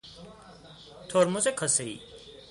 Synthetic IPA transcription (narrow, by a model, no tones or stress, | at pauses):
t̪ʰoːɾmusekʰəseḭː